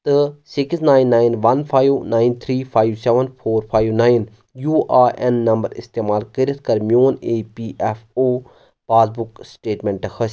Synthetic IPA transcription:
t̪ɨsɪksnaːɪnːaːɪnʋɐnpʰaːiʋnaːɪnt̪ʰɾiːpʰaːiʋseʋənpʰoːɾpʰaːiʋnaːjn | juːʔaːenːɐmbəɾɪ̰st̪eːmaːlkəɾət̪̚ʰkɐɾmijoːneːpiːʔɛfoː | paːzbuksʈeːʈmẽɳʈxɐs

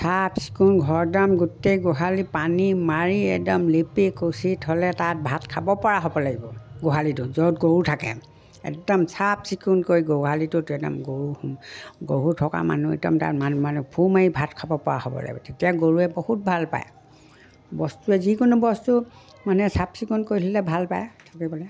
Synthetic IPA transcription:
sapsi̥kunɡʱɔɹdamɡutejɡoɦalipanimaɹiɛdɔmlepikosithɔlɛtat̚bʱatkʰabɔpɔɹaɦobɔlaɡibɔɡoɦalitʊzotɡowutʰakɛ̰ | ɛ̰k̚dɔmsapsikunkoɹiɡoɦalitʊtɛda̰mɡoɹuhmɡoɦutʰɔka̰ma̰nuɛ̰dɔ̰mta̰tmanmanupʰumaibʱatkʰabɔpɔɹa̰hobɔ̰la̰ɡibɔ̰tetijaɡoɹuɛbohut̚bʱalpa̰jɛ | bɔstuɛzikʊnubɔstu | manɛsapsikunkoɹilʰilɛbʱalpa̰jtʰakibɔlɛ

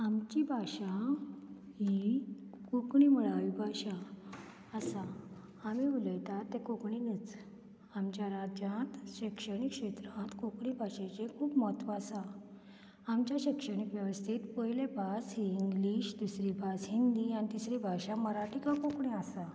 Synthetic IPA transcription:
amt͡ɕibʱaɕa | ɦi | kokɳiməɭaʋibʱaɕa | əsaː | miuləjt̪at̪ːekokɳinət͡s | amt͡ɕjaɾad͡ʑjãt̪ɕikʂəɳikʂet̪ɾãt̪kokɳibʱaɕet͡ɕekʰuːpmɔt̪ʋasa | amt͡ɕjaɕikʂəɳikʋjəʋəst̪ʰit̪pəjlebʱasɦiːiŋɡliɕd̪usɾibʱasɦind̪ianit̪isɾibʱaɕaməɾaʈikãkokɳiasa

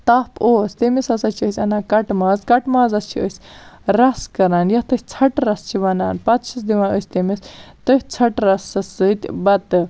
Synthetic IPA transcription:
t̪ɐpoːsʲt̪emisɐsɐt͡ʃʰiəsʲɐnaːkɐʈmaːzkɐʈmaːzɐst͡ʃʰiəsʲɾɐskɐɾaːnjɐht̪ɨsʲt͡sʰɐʈɾɐst͡ʃʰiʋɐna̰ːnpɐt̪ʃʰisd̪iʋaːnosʲt̪emist̪ɨhʲt͡sʰɐʈɾɐsɐsɨt̪ʲbɐt̪ɨ

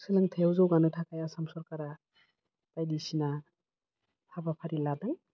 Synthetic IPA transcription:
sɯlaŋtʰewzɔwɡanɯtʰakajasamsɔɾkaɾa | tajdisina | hʰabapʰaɾiladaŋ

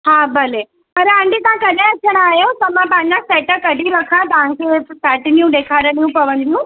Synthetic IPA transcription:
ɦãːbəle | pɐɾaɳɖit̪ɐãkəɽeət͡ʃʰəɽ̃aːjot̪ɐmãpãɲãsɛʈəkəɽʱiɾɐkʰãt̪ɐʋãŋkesaːʈinijũd̪eːkʰaɾənijũpɐʋənd̪ũ

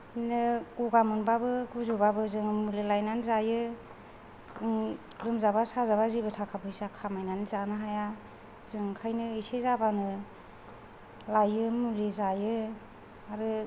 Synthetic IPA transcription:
inɯɡ̥uɡamɯnbabɯɡuzubabɯzɯŋmulelajnanzajɯ | ɯŋ | ɾɯmzabasazaβazibɯtʰakʰabɯisakʰamajnanizanɯɦaja | zɯŋkʰajnɯisezabanɯ | lajɯmulezajɯ | aɾɯ

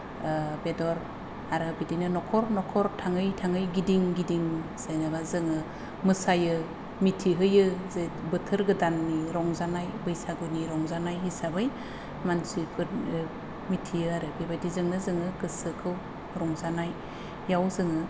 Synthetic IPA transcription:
bedɔɾ | aɾɯbidinɯnɔkʰɔɾnɔkʰɔɾtʰaŋɯjtʰaŋɯjɡidiŋɡidiŋsenabazɯŋɯ | mɯsajɯ | mitʰiɦɯjɯzebɯtʰɯɾɡɯdanːiɾɔŋzanajbɯjsaɡɯniɾɔŋzanajɦisabɯj | mansipʰɯ | mitʰijɯaɾɯbibajdizɯŋnɯzɯŋɯkɯsɯkʰɯw | ɾɔŋzanajː | awzɯŋɯ

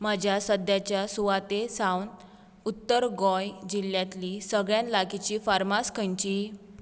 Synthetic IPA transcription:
mad͡ʑʱjasəd̪jat͡ɕjasuʋat̪esawn | ut̪ːəɾɡɔjd͡ʑiljãt̪lisəɡɭjãnlakit͡ɕiːfaɾmaskʰəɲt͡ɕiː

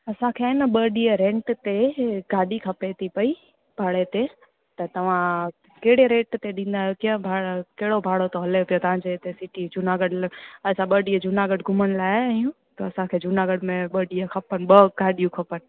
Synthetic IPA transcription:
ɐsãkʰeɪnəɓəɗiəɾẽːɳʈt̪eɡaːɗikʰɐpet̪ʰipɐi | bʱaːɽet̪e | t̪ɐt̪ɐʋ̤ã | keɦɪɽeɾẽːʈt̪eɗĩːnd̪aːɦjokiə̃bʱakɐɦɪɽobʱaːɽot̪oɦɐleopijot̪ɐʋ̤ãd͡ʑet̪esɪʈid͡ʑʱʊnaɡəɖlɐsãɓəːɖiəd͡ʑʱʊnaɡəɖɡʱʊməñlaːɐjũ | t̪ɐɐsãkʰed͡ʑʱʊnaɡəɖmẽɓəɗiəkʰɐpənɓɐɡaːɗijũkʰɐpənɪ̆

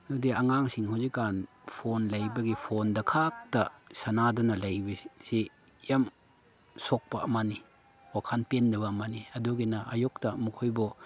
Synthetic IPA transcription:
nudiaŋaŋsiŋhazikːanpʰonlajbɐɡipʰondɐkʰak̚tɐsanadɔnɐlajbɐsi | jam | sɔk̚pɐɐmani | wakʰanpendɐbɐːmaniɐduɡinaʔajɔk̚tɐmukʰɔjbɔ

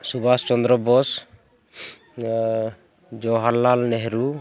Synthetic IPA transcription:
subast͡ʃɔnd̪ɾɔbɔs | d͡ʒɔɦaɾːalnɛɦɛɾu

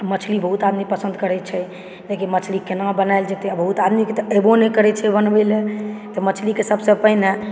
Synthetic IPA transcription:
mət͡ʃʰlibəɦut̪ad̪mipəsə̃nd̪ʱkəɾɛt͡ʃʰɛ | d͡ʒekemət͡ʃʰlikenabənaɪld͡ʒet̪eəbəɦut̪ad̪miket̪ɔebonekəɾɛt͡ʃʰɛbənbɛlet̪ɔmət͡ʃʰlikesəbsə̃pəɦine

